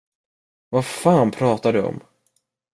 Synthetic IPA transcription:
vafaːnpʰɾɑːt̪ad̪ɵɔ̰m

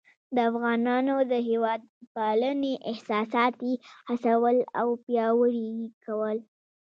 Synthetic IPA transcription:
d̪əafɣɑnɑnod̪əɦewɑd̪̚paləneʔɪhsɑsɑt̪ehasawəlawpjɑwəɾikawəl

